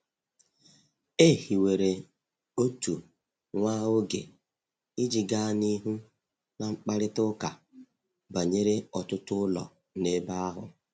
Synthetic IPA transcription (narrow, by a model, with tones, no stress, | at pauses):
e˦˨hi˨we˨ɾe˨ | o˦tu˨ | ŋʷaː˦ʊ˦ɡḛ˨ | ɪ˦d͡ʒi˨ɡa˦ni˦ɦu˦ | na˨ŋ͡m̩˦k͡pa˦ɾɪ˦tʊ˦ka˨ | ba˨ɲe˦ɾe˦ɔ˨tʊ˦tʊ˦ʊ˦lɔ̰˨ | ne˦ba˦a˦ɦʊ̰˨